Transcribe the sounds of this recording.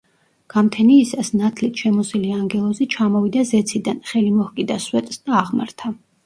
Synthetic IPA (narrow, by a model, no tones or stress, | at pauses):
ɡ̥amt̪ʰɛniːsasnat̪ʰlit̪ʰʃɛmɔsiliaŋɡɛlˠɔzit͡ʃʰamɔvid̪azɛt̪sʰid̪anχɛlimɔhkʼid̪aswɛt̪ʼsd̪aːʁma̰ɾt̪ʰa